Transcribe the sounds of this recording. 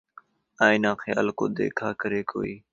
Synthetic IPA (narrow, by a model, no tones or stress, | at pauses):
aːɪnãːxɪja̰ːlkõ̰ːd̪ḛːkʰaːkəɾeːkoːiː